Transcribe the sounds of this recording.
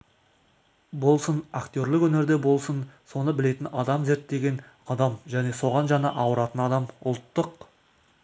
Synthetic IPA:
bo̞lˠsənakt̪jo̞ɾlɪkwɵne̞ɾd̪e̞bo̞lˠsənso̞nəbɪle̞t̪ɪnɑd̪ɑmze̞ɾt̪ːe̞ɡʲe̞n | ɑd̪ɑmʒæne̞so̞ʁɑnʒɑnɑʔɑwəɾɑt̪ənɑd̪ɑmʊ̰lˠt̪ːəq

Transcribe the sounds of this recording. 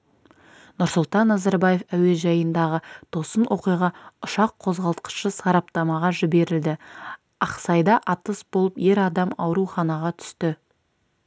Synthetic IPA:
nʊɾsʊlˠt̪ɑnːɑzɑɾbɑje̞fæwe̞ʒɑjənd̪ɑʁət̪ʰo̞sənwʔo̞qijʁɑʊʃɑqʰːo̞zʁɑlˠt̪qə̥ʃʃəsɑɾɑp̚t̪ɑmɑʁɑʒɪbe̞ɾɪld̪ɪ | ɑqsɑjd̪ɑʔɑt̪əsbolˠəpje̞ɾɑd̪ɑmɑwɾuχɑnɑʁɑt̪ʰʏ̥st̪ɪ

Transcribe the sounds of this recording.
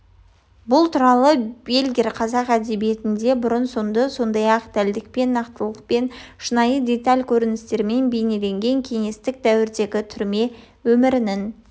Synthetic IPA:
bʊlˠt̪ʰuɾɑlˠəbe̞lʲɡʲeɾqʰɑzɑqæd̪e̞bije̞t̪ɪnd̪e̞bʊɾənso̞nd̪ɑso̞nd̪ɑjɑqd̪̥æld̪ɪk̚pe̞nːɑqt̪əlˠəq̚pe̞nʃənɑjəd̪ʲe̞t̪alʲkʲʰɵɾɪnɪst̪e̞ɾɪme̞nbe̞jne̞le̞ŋɡʲe̞ŋkʲʰe̞ŋe̞st̪ɪk̚d̪æwɪɾd̪e̞ɡʲɪt̪ʰʏɾme̞ | wɵmɪɾɪnɪn

